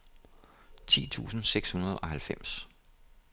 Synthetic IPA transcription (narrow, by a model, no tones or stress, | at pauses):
t͡sʰḭːt͡sʰṵːsn̩seɡ̥shunɐð̞ˠɒ̽hælfem̰s